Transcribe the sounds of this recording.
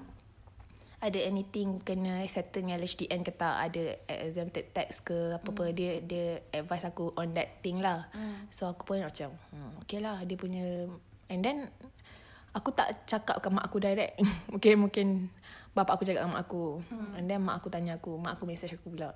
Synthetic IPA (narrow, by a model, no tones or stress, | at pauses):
adəɛnit̪ɪ̃ŋkənə̃sɛt̪ənɛlɛt͡ʃdiʔɛnkət̪aʔa̰dəɛ̰ʔzɛ̃mt̪ət̪ɛkskəapapədiədiəɛdvajsakuʔɔ̃ndɛt̪ːɪŋlahsoaku̥punnat͡ʃaməokelahdiəpuɲə | ɛndɛn | akut̪a̰ʔt͡ʃaka̰p̚kəmã̰ʔakudajɾɛk̚mũkɪmũkɪnbapaʔakut͡ʃaka̰ʔkəma̰ʔakuɛ̃ndɛnmaʔakut̪aɲaakumãʔakumɛ̃sat͡ʃakubulawʔ